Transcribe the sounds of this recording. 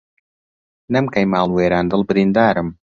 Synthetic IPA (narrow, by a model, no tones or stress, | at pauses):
nɐmkɐjmaːlˠweːɾaːnd̪ɨlˠbɨɾind̪aːɾɨm